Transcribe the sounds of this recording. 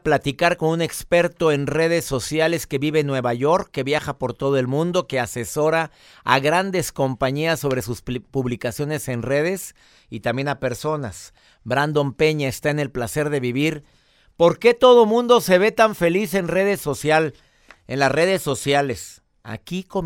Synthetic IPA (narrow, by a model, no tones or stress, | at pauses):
plat̪ikaɾko̞nũne̞kspe̞ɾt̪o̞e̞nre̞ð̞e̞sːo̞sjale̞ske̞βiβe̞nːwe̞βaʝo̞ɾkːe̞βjaxapo̞ɾt̪o̞ð̞o̞e̞lmũnd̪o̞ke̞ase̞so̞ɾa | a̰ɣɾand̪e̞sko̞mpaɲiasːo̞β̞ɾe̞suspuβlikasjo̞ne̞se̞nre̞ð̞e̞s | it̪ambje̞nape̞ɾso̞nas | bɾand̪o̞mpe̞ɲaest̪ae̞ne̞lplase̞ɾðe̞βiβ̞iɾ | po̞ɾke̞t̪o̞ð̞o̞mũnd̪o̞se̞βe̞t̪aɱfe̞lise̞nreðesosjal | enlasre̞ðe̞sːo̞sjale̞s | a̰kiko